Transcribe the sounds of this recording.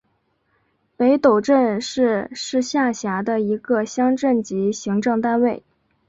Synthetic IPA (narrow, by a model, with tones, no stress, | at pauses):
pe˧˥ɪt̪o˨˩ʊʈ͡ʂə˥˧nʂɻ̩˥˧ʂɻ̩˥˧ɕja˥˩ɕja˧˥d̪ə˧i˧˥ɡə˧ɕjɑ˥ŋʈ͡ʂə˥˩nt͡ɕi˧˥ɕi˧˥ŋʈ͡ʂɤ˥˧ŋt̪a˥˧nwe˥˩ɪ